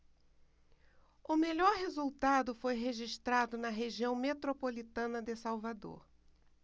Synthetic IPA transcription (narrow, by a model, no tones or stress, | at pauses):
ʊmeʎɔɾɦezuwt̪ad̪ʊfojɦeʒiʃt̪ɾad̪ʊnɐɦeʒiɐ̃w̃met̪ɾopolit̪ɐ̃nɐd̪ɪsawvad̪o̰ɾ